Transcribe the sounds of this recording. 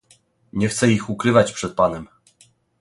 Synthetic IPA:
ɲɛxt̪sɛixukɾɘvat͡ɕpʂɛt̪̚panɛm

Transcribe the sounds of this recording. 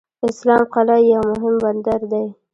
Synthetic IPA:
ɪslɑmqalɑjawmʊɦɪmband̪aɾd̪aj

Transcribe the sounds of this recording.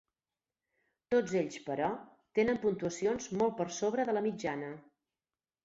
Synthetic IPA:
t̪od͡zeʎspəɾɔ | t̪enəmpunt̪uəsionzmɔl̚ˠpəɾsoβɾəðələmid͡ʒanə

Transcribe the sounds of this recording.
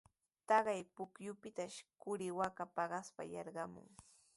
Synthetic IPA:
t̪ɑɢɑjpʊkjʊpɪt̪aʃkʊɾɪwakapɑɢɑspa̰jɑ̰ɾɢɑmʊ̰ŋ

